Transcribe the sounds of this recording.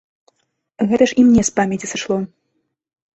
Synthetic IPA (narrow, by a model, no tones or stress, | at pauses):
ɣɛt̪ɐʂimnʲɛspamʲɛt͡sʲisɨʂlˠɔ